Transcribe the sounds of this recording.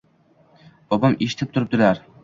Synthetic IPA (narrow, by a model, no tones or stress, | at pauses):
b̥ɒbamʔeʃɪ̥t̪ʰɪp̚t̪ʰʊɾɪp̚d̪ɪlaɾ